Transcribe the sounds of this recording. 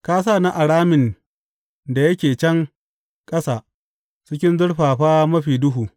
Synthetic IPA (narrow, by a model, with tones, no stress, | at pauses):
kaː˦s̬aː˦˨na˦ʔa˨ɽaː˦mɪ˨n | da˨jɐ˦kʲeː˨t͡ʃɛ˦ŋ | kʼɐ˦saː˨ | t͡ʃɪ˦kʲɪ˦nzʊ˦ɽɸaː˨ɸaː˦mɐ˦ɸiː˨dʊ˦ɦuː˨